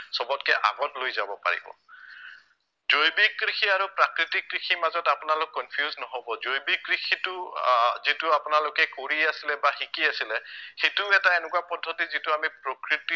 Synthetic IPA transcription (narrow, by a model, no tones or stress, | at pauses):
sɔbɔtkɛʔa̰ɡɔtlojzabɔpa̰ɹḭbɔ̰ | zojbikɹixiaɹupɹakɹitikːɹiximazɔtapʊnalʊkːɔnpʰijuznɔɦobɔzojbikɹixʰitʊzitʊapʊnalʊkɛkoɹiasilɛbaxikiasilɛxejtuʊɛtaenɛkuwapɔdʱːɔtizitʊamipɹokɹiti